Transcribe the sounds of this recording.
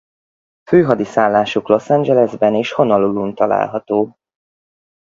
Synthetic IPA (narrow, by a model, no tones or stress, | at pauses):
føːɦɒd̪isaːlːaːʃuklo̞sɛnd͡ʒɛlɛzbɛneːʃho̞nɒlulunt̪ɒla̰ːlɦɒt̪oː